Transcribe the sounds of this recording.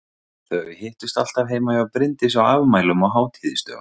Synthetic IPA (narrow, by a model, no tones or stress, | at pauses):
θɛavɪheːht̪ʏst̪al̥t̪avɦeːjmaɛapɾɪnt̪ɪsawaːvmaːjlʏmɔɣɦaːwt̪ʰiðɪst̪œ̰ɣʏ̰